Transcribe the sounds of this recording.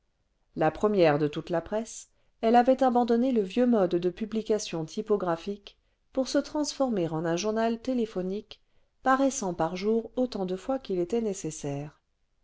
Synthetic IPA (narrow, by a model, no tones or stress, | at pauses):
lapχəmjɛʁd̪ət̪ut̪lapχɛs | ɛlavɛt̪abɑ̃d̪ɔneləvjømɔd̪ːəpyblikasjɔ̃t̪ʰipɔɡʁafik | puʁsət̪χɑ̃sfɔʁmeʁɑ̃nɛ̃ʒuʁnalt̪elefɔnik | paʁɛsɑ̃paʁʒuʁot̪ɑ̃d̪əfwakilet̪ɛnesesɛːʁ